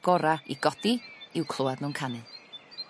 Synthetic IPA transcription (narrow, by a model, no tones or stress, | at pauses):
ɡ̥ɔɾaḭɡɔd̥iɪwkʰl̥ˠʊadnunkʰanɨ